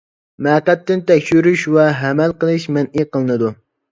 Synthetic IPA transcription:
mæqæt̪ːɪnt̪ʰɛkʲʃyɾyʃwɛɦɛmɛlqəlˠɨʃmɛnʔiqəlˠɨnɨd̪u

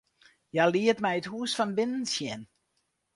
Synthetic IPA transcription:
jaliətmɛjəthuːəsfɔnbɪnənsjɛn

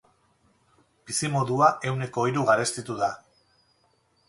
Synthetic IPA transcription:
bisimo̞ðuaʔe̞wne̞ko̞iɾuɣaɾe̞st̪it̪uða

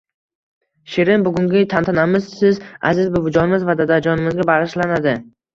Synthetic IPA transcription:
ʃeɾɪnbʊɡʊŋɡʲɪt̪ʰant̪ʰanamɪzsɪza̰zɪzbʊbʊd͡ʒɒnɪmɪzvad̪ad̪ad͡ʒɒnɪmɪzɡʲabaʁɨʃlanad̪ɪ

